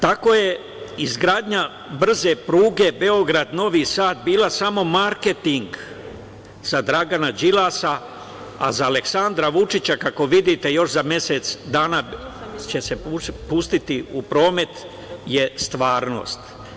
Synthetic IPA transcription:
t̪ako̞je̞ | izɡɾaːd̪ɲa | br̩ze̞pɾuːɡe̞be̞o̞ɡɾad̪no̞ʋiːsaːt̪̚biːlˠasamo̞maɾke̞t̪iŋɡ | z̥ad̪ɾaɡanad͡ʒilasa | a̰zaːle̞ksand̪ɾaʋut͡ʃit͡ɕakako̞ʋid̪it̪e̞jo̞ʃzamje̞set̪sd̪aːnat͡ɕe̞se̞pust̪it̪iupɾo̞ːme̞t̪ | je̞st̪ʋaːɾno̞̰ːst̪

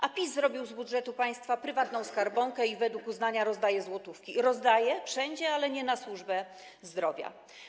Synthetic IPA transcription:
ʔapʲisːɾɔbʲiwzbud̪ʐɛt̪upaj̃st̪fapɾɘvat̪nɔ̃w̃skaɾbɔŋkɛivɛd̪wukuznaɲaɾɔzd̪ajɛzwɔt̪ufkʲiɾɔzd̪ajɛfʂɛɲd͡ʑɛalɛɲɛnaswuʐbɛ | zd̪ɾɔvʲja̰

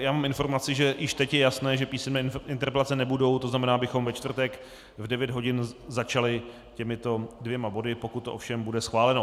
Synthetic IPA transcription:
jaːmaːmɪnfo̞ɾmat͡sɪʒɛjɪʃt̪ɛcjɛjasnɛːʒɛpiːsɛnmɛːʔɪnt̪ɛɾpɛlat͡sɛnɛbudo̞wt̪o̞znamɛnaːabɪxo̞mvɛt͡ʃt̪vr̩t̪ɛk | vdɛvjɛd̪ɦo̞ɟɪnzat͡ʃalɪ | cɛmɪt̪o̞dvjɛmabo̞dɪpo̞kut̪̚ːoʔo̰fʃɛmbudɛsxvaːlɛno̞

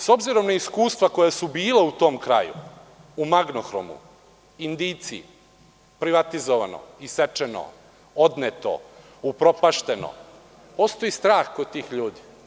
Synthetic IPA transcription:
so̞bziɾo̞mnaiskuːst̪ʋako̞jasubiːleut̪o̞ːmkɾa̰jṵ | umaɡnoxɾo̰mṵ | ind̪iːt̪si | pɾiʋat̪izoʋa̰no̰iset͡ʃeno̰ | od̪net̪o̰ | upɾo̞paʃt̪e̞no̰ | po̞st̪o̞jist̪ɾaːxkod̪̚t̪iːxʎuːd̪i

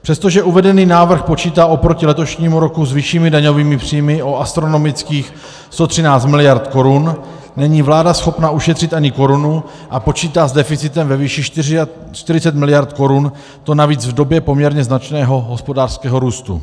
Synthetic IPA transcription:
pr̥ɛst̪o̞ʒɛʔuvɛdɛniːnaːvr̩xpo̞t͡ʃiːt̪aːʔopɾo̞cɪlɛt̪o̞ʃɲiːmuɾo̞kuzvɪʃiːmɪdaɲo̞viːmɪpr̝̥ijmɪʔoast̪ɾo̞no̞mɪt͡skiːx | st̪o̞t̪r̝̥ɪnaːt͡st̪mɪlɪjaɾt̪ko̞ɾunː | ɛɲiːvlaːdasxo̞pnaʔuʃɛt̪r̥ɪt̪ʔaɲɪko̞ɾunu | ʔapo̞t͡ʃiːt̪aːzdɛfɪt͡sɪt̪ɛmvɛviːʃɪ | t͡ʃt̪ɪɾɪt͡sɛt̪mɪlɪjaɾt̪ko̞ɾun | t̪o̞naviːd͡zvdo̞bjɛpo̞mɲɛɾɲɛznat͡ʃnɛːɦo̞ɦo̞spo̞daːr̥skɛːɦo̞ɾuːst̪ṵ

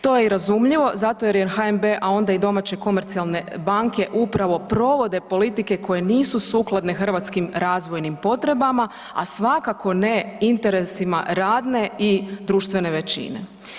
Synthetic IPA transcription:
t̪o̞jeiɾazumʎiʋo̞zat̪o̞jeɾjenxaembeʔao̞nd̪aid̪o̞mat͡ɕe̞ko̞meɾt̪sialˠne̞baŋke̞ʔupɾaʋo̞pɾo̞ʋo̞d̪e̞po̞lit̪ike̞kʰo̞je̞niːsusuːklˠad̪ne̞xr̩ʋat̪skimɾaːzʋo̞jnimpo̞t̪ɾe̞bama | a̰sʋakako̞neint̪e̞ɾe̞sima̰ɾaːd̪ne̞id̪ɾuːʃt̪ʋe̞ne̞ʋe̞t͡ɕḭne̞̰

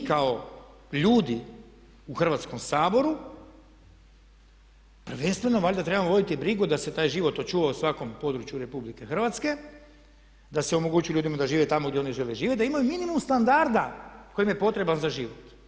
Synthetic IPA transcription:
kao | ʎuːd̪i | uxr̩ʋat̪sko̞msaːbo̞ɾu | pr̩ʋe̞nst̪ʋeno̞ʋaʎʲd̪at̪ɾe̞bamoʋo̞d̪it̪ibɾiɡud̪ase̞t̪aːjʒiʋo̞t̪ot͡ʃuːʋausʋako̞mpo̞d̪ɾut͡ʃjuɾe̞publike̞xr̩ʋat̪ske̞ | d̪aseo̞moɡuːt͡ʃujulʎuːd̪imad̪aʒiːʋet̪amoɡd̪jeoniʒeleʒiːʋet̪d̪aimajuminimumst̪and̪aɾd̪ako̞jimjepo̞t̪ɾe̞banzaʒiːʋot̪

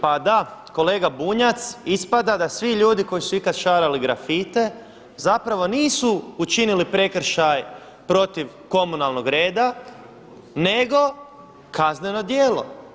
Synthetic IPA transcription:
pad̪ako̞le̞ːɡabuɲat̪sispad̪ad̪asʋiʎuːd̪iko̞jisuikat̪ʃaːɾaliɡɾafit̪e̞ | zapɾaʋo̞niːsuːt͡ʃinilipɾe̞kɾ̩ʃaj | pɾo̞t̪iʋ | ko̞munalˠno̞ɡɾe̞ːd̪a | ne̞ɡo̞ | kʰazneno̞d̪jeːlo̞̰

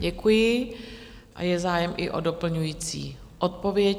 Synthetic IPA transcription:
ɟɛkujɪ | ʔa̰jɛzaːjɛmʔɪ̰ʔo̰do̞pl̩ɲujiːt͡sḭː | ʔot̪̚po̞vjɛ

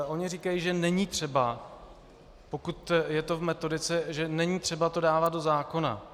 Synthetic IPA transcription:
ʔo̞ɲɪriːkajiːʒɛnɛɲiːt̪r̝̥ɛba | po̞kut̪jɛt̪o̞vmɛt̪o̞dɪt͡sɛʒɛnɛɲiːt̪r̥ɛbat̪o̞daːvat̪̚do̞zaːko̞na̰

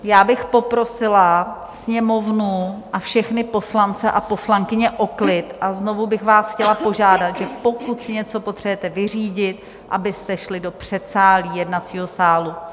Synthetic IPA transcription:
jaːbɪxpo̞pɾo̞sɪla | sɲɛmo̞vnuʔafʃɛxnɪpo̞slant͡sɛʔapo̞slaŋkɪɲɛʔo̞klɪt̪ʔazno̞vubɪxvaːsxcɛlapo̞ʒaːdat̪ʒɛpo̞kut̪sɪɲɛt͡so̞po̞t̪r̝̥ɛjɛt̪ɛvɪr̝iːɟɪt̪̚ | ʔa̰bɪst̪ɛʃlɪdo̞pr̝̥ɛt̪saːliːjɛdnat͡siːɦo̞saːlu

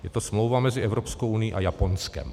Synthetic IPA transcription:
jɛt̪osmlowvamɛzɪɛvɾopskowʔunɪjiʔajaponskɛ̰m

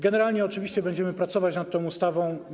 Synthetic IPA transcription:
ɡɛnɛɾalɲɛɔt͡ʂɘviɕt͡ɕɛbɛɲd͡ʑɛmɘpɾat̪sɔvat͡ɕnat̪̚t̪ːɔ̃w̃ust̪avɔ̃w̃

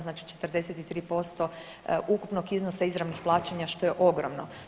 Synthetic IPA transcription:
znaːt͡ʃi̥t͡ʃe̞t̪rd̪e̞set̪it̪ɾiːpo̞st̪o̞ | ʔukupno̞ɡiznosaizɾaʋnixplˠaːt͡ʃeɲaʃt̪o̞je̞ʔo̞ɡɾomno̰

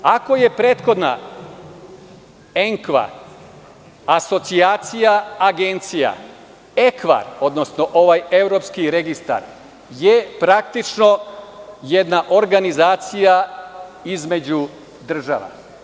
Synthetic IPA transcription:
ako̞je̞pɾe̞ːt̪xo̞d̪na̰ | e̞ŋkʋa̰ | aso̞t̪siaːt̪sijaaɡent̪sija̰ | e̞kʋa̰ɾo̞d̪no̞snoʔo̞ʋaje̞vɾo̞pskiɾe̞ɡist̪a̰ɾ | jepɾak̚t̪it͡ʃno̞ | jed̪naʔo̞ɾɡanizaːt̪sija | izme̞d͡ʑu | d̪r̩ʒa̰ʋa̰

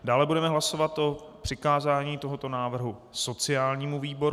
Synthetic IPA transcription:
daːlɛbudɛmɛɦlaso̞vat̪ʔo̞pr̝̥ɪkaːzaːɲiːt̪o̞ɦot̪o̞naːvr̩ɦuso̞t͡sɪaːlɲiːmuviːbo̞ɾ

